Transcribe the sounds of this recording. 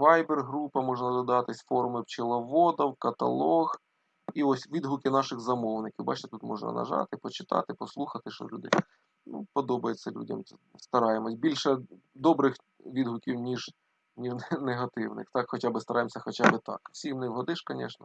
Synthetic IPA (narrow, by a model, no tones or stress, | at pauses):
ʋɑjberɦɾupɐmɔʐnɐd̪ɔd̪ɐɑt̪ɪsʲfɔɾʊmɪwt͡ʃɪlˠɐʋɔd̪ɐwkɐt̪ɐ̰lˠɔɣ | iɔsʲʋʲid̪ɦʊkʲɪnɑʃɪɣzɐmɔwnɪkʲiwbɑ̰t͡ʃɪt̪et̪ut̪mɔʐnɐ̰nɐ̰ʒɑ̰t̪ɪpɔt͡ʃɪ̥t̪ɑ̰t̪ɪpɔslˠuxɐt̪ɪʃt͡ʃɔ̰sʲlʲud̪ɪ̰j | nṵpɔd̪ɔbɐjet͡sʲːɐlʲṵdʲɐ̰mst̪ɐɾɑjɪmɔtʲbʲilʲʃɛ | d̪ɔbɾɪx | ʋʲid̪ɦʊkʲiwnʲiʒ | nʲiʒnneɦɐt̪ɪ̰wnɪ̰xt̪ɑkxɔt͡ʃabɪst̪ɐɾʔɑjɪmsʲɐxɔt͡ʃabɪt̪ɑ̰kwsʲimnɪwɦɔd̪ɪʃkɐnʲɛ̰ʃnɐ